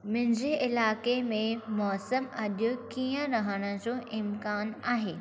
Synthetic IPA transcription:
mɪ̃ɦɪ̃ɲd͡ʑeʔɪlaːkemẽmɔːsəmɐɗjʊkiːjə̃ɾɐɦəɽ̃ə̆d͡ʑoʔɪmkaːnaːɦeː

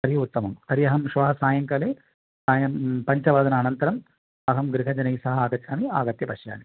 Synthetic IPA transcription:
kɐɾijɐut̪ːɐmɐmkɐɾijɐɦɐmʃʋɐːɦɐsaːjɐŋkɐleː | saːjɐmpɐɲt͡ʃɐʋaːd̪ɐnɐːnɐnt̪ɐɾɐm | ɐɦɐmɡɾiɦɐd͡ʒɐnɐjsɐɦɐaːɡɐt̪jaːmiaːɡɐt̪jɐpɐʃja̰ːni

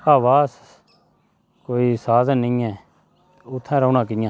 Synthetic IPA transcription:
aːʋaːs | koːiːsaːd̪nɪ̃ːɛ̃ː | ʊt̪ʰːɛ̃ːɾəuːnãːk̬ɪjãː

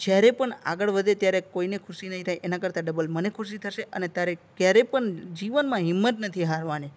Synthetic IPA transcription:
d͡ʒjaɾepəɳa̰ɡəɭʋəd̪ʱet̪jaɾekoinekʰʊʃinəɦĩt̪ʰajʔenakəɾt̪aɖəbəlmənekʰʊʃ̬it̪ʰəʃeʔənet̪jaɾekjaɾepəɳd͡ʒiʋənmãɦɪmːət̪nət̪ʰiɦaɾʋane

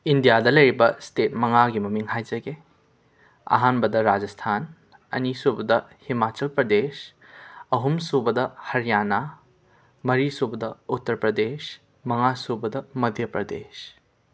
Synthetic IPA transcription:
indijadɐlɐjɾibɐstet̚mɐŋaɡimɐmiŋɦajd͡ʒɐɡe | ɐ̰ɦanbɐdɐɾad͡ʒɐstʰan | ɐ̰nisubɐdɐhimat͡ʃɐlpɾɐdes | ɐɦumsubɐdɐhɐɾijana | mɐɾisubɐdɐutːɐɾpɾɐdes | mɐŋasubɐdɐmɐd̪ʱjɐpɾɐdḛs

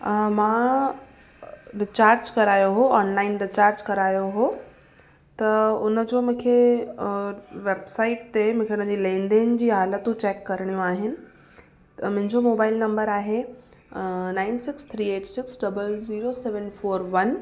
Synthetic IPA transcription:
mãː | ɖɪt͡ɕaːɾd͡ʑkɐɾaːjoɦoaːnlaːɪnɖɪt͡ɕaːɾd͡ʑkɐɾaːjoɦoː | t̪ɐʊnəd͡ʑoːmʊ̃ːkʰe | ʋeːbsaːɪʈ̚t̪emʊ̃ːkʰeʊnəd͡ʑiːlẽːnd̪ẽnd͡ʑiːɦaːlət̪ũt͡ɕɛːkːɐɾəɽ̃ijũaːɦɪnɪ̆ | mʊ̃ɦɪ̃ɲd͡ʑomoːbaːɪlnɐ̃mbəɾaːɦe | nãːɪnsɪkst̪ʰɾiːeːʈsɪksɖɐbəlziːɾoseːʋənfoːɾʋɐn

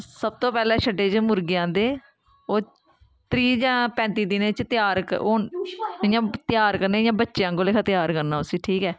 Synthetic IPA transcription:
səb̚t̪oːpɛːlɛ̃ːʃʰəɖeːt͡ʃmʊɾɡɪjãːd̪eː | oː | t̪ɾiːd͡ʒãːpɛ̃ːnt̪iːd̪ɪnẽːt͡ʃt̪ɪjaːɾkoːɪjãːt̪jaːɾkəɾnẽːjãːbətːʃjãːkoːleːkʰat̪ɪjaːɾkəɾnãːʊsĩːʈʰiːkɛː

